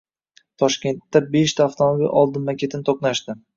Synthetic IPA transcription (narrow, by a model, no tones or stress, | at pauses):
t̪ʰɒʃkʲe̞nt̪ːabe̞ʃt̪ʰaːft̪ʰomobilʲʔɒlˠd̪ɪnmakʲe̞t̪ʰɪnɪt̪ʰoqnaʃt̪ɪ